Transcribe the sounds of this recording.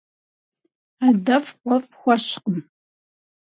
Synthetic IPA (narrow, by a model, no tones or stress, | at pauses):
adɐfqʷɔfxʷɐɕqəm